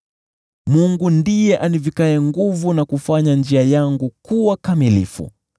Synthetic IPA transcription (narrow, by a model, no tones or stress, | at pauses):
muŋɡundijɛʔanivikaɛŋɡuvunakufaɲand͡ʒiajaŋɡukuwakamilḭfṵ